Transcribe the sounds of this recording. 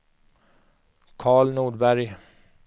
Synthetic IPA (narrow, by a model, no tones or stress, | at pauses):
kʰɑːɭnuːɖbæɾj